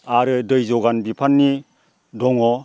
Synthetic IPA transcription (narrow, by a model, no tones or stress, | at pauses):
aɾɯdɯjzɔɡanbipʰanːi | dɔŋɔ